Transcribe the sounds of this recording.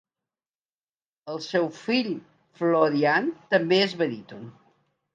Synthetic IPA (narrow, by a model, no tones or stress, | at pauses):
əlˠsɛwfiʎ | floɾiant̪əmbeəzβəðit̪un